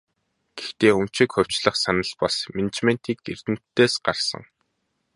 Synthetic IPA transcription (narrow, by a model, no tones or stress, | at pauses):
ɡ̥ext̪eːɵm̥t͡ɕikχɵ̟w̥t͡ɕɮə̆χsanə̆ɮpɔsmenet͡ɕment̪iːkɡḛr̥t̪ɘ̆m̥t̪ʰːeːsɢarsə̰̆ŋ